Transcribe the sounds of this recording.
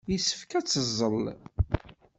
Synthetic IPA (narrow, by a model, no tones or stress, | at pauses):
jisə̥fkæt͡sːəzˤːəl